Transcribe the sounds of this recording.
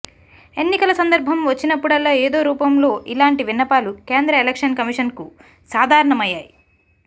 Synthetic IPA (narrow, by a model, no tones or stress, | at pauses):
e̞nːikɐlɐsɐnd̪ɐɾbʱɐmʋɐt͡ʃːinɐpːuɽɐlːaːeːd̪o̞ːɾuːpɐmlo̞ːʔilaːɳʈiʋinːɐpaːlukeːnd̪ɾɐelekʂɐnkɐmiʂɐnku | saːd̪ʱaːɾɐɳɐmɐjːaːji